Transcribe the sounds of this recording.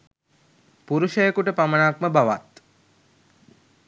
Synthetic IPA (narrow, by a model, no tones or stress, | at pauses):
puɾuʃəjekuʈəpamənakməbaʋa̰t̪